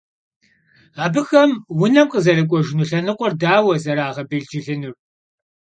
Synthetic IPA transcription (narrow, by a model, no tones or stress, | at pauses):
aːbɨxɐmwʊnɐmqəzɐrɐkʷʼɔʒɪnuɬɐnɨqʷɔrdaːwɐzɐɾaːʁɐbɨɮd͡ʒɪɮɨnɨr